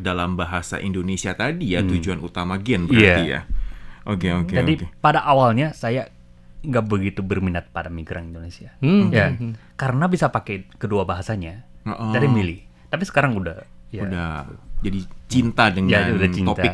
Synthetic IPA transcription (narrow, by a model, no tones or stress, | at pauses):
dalambaɦasa̰ʔindonesiat̪adijat̪ud͡ʒuanut̪amaɡɛnbəaraija̰ʔokeoked͡ʒaodikepadaʔawalɲasaja | ŋɡaʔbəɡit̪ubərminat̪̚padamiɡɾʔaŋindonesiajakaɾənabisapakekəduabaɦasaɲaɔʔd͡ʒadimilɪht̪apisə̥kaɾaŋuda̰hjaudad͡ʒadit͡ʃint̪adəŋjanudat͡ʃinoaɪ